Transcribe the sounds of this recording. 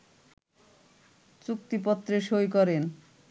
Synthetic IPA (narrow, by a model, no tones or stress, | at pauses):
t͡ɕuk̚t̪ipɔt̪ːɾeʃojkɔɾen